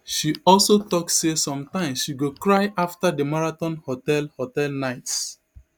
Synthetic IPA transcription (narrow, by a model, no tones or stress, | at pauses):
ʃiɔlsotɔkssesɔ̃mtãɪ̃msʃiɡokɹaɪʔaftadəmaɹatɔ̃nhotɛlhotɛlnaɪts